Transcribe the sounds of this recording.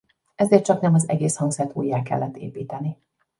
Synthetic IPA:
ɛzeːrt̪t͡ʃɒknɛmɒzɛɡeːshɒŋɡzɛrt̪ṵːjːaːkɛ̰lːɛt̪ʰːḛːpiːt̪ɛni

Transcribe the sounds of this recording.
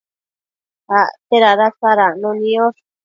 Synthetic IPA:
at̪eɾaɾasaɾanũnĩoʂ

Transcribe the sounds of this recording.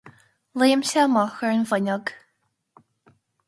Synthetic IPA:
leːmʃɛmɔxəɹnvənʲɔɡ

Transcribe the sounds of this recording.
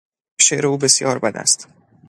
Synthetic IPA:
ʃeʔɾeuːbe̞sjɒːɾbæd̪æ̰st̪

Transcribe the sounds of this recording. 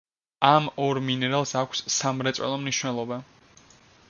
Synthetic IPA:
amɔɾminɛɾalˠsakʷʰssamɾɛt̪sʼwɛ̰lˠɔmniʃwnɛlˠɔba

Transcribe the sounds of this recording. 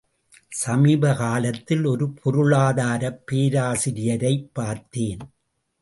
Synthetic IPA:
sɐmiːbɐkaːlɐt̪ːɪlɔɾɯpʰɔɾɯɭaːðaːɾɐpːeːɾaːsɪɾɪjɐɾɐɪpːaːɾt̪eːn

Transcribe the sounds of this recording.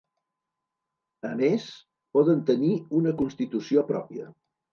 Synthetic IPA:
əmes | pɔðənt̪əniunəkunst̪it̪usiopɾɔ̰piə

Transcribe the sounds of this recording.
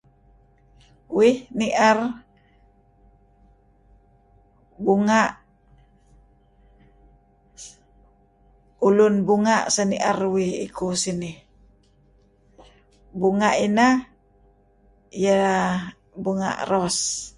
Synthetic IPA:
wihniʔar | buŋaʔ | ulunbuŋaʔsaniʔarwihḭkusinih | buŋaʔina | ja | buŋa̰ʔrɔs

